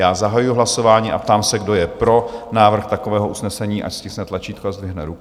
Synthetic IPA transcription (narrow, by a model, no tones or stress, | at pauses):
jaːzaɦajujuɦlaso̞vaːɲiːʔa̰pt̪aːmsɛɡdo̞jɛpɾo̞naːvr̩xt̪akovɛːɦoʔusnɛsɛɲiːʔa̰cscɪsnɛt̪lat͡ʃiːt̪koazd̪vɪɦnɛɾuk